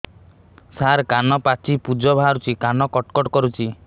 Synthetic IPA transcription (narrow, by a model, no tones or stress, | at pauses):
saɾkanɔpat͡ʃipud͡ʒɔbʱaɾut͡ʃʰikanɔkɔʈkɔʈkɔɾut͡ʃʰi